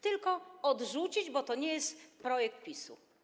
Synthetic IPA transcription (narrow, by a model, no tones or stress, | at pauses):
t̪ɘlkɔɔd̪ʐut͡ɕid͡ʑbɔt̪ɔɲɛjɛst̪pɾɔjɛk̚t̪̚pʲisṵ